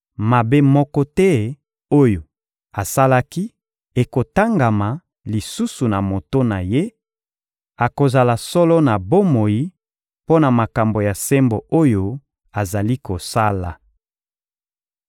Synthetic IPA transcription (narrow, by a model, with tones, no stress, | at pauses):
ma˨be˦mɔ˦kɔ˦tɛ˦ | o˦jo˨ | a˨sa˦la˦ki˦ | e˨ko˨ta˦ŋɡa˨ma˨ | li˨su˦su˨na˨mo˨to˦na˨je˦ | a˨ko˨za˨la˨sɔ˦lɔ˦na˨bo˦mo˨ji˦ | po˦na˨ma˨ka˨mbo˨ja˨sɛ˦mbo˨o˦jo˦ | a˨za˨li˦ko˨sa˦la˨